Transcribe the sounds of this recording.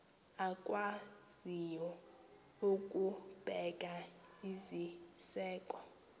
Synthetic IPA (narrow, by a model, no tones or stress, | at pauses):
akʼwaz̥ijɔ | ukʼub̥ʱɛk̬ʼaizisɛːkʼɔ